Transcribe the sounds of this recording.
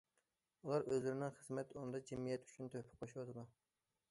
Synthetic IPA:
ulˠɑɾʔøzlɪɾɪnɪŋχəz̥mɛt̪unɨd̪ɑd͡ʒɛmijɛt̪y̥t͡ʃʰynt̪ʰøhpʰɪ̥q̚oʃwɑt̪ʰɨd̪u

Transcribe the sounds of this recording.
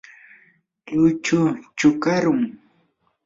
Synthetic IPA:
ʎʊt͡ʃʊt͡ʃʊkaɾʊŋ

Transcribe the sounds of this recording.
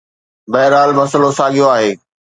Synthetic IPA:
bɐɦɪɾaːlmɐsəlosaːɠijoaːɦeː

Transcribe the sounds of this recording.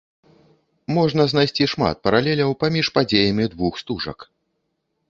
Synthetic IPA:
mɔʐnɐznajsʲt͡sʲiʂma̰t̪̚pɐɾalʲɛlʲɐwpamʲiʂpad͡zʲejɐmʲid̪vuxst̪uʐɐ̰k

